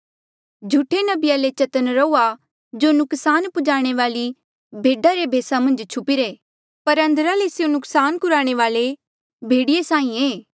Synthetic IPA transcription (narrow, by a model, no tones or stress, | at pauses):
d͡ʒʱuʈʰenɐbɪjalet͡ʃɐt̪ənɾɐuːa | d͡ʒoːnʊksaːnpʊd͡ʒaːɽ̃eʋaːli | bʱeːɖaɾebʱeːsamɐ̃nd͡ʒt͡ʃʰʊpiɾeː | pɐɾɐ̃nd̪əɾalesjõnʊksaːnkʊɾaːɽ̃eʋaːle | bʱeːɽɪjesãːĩeː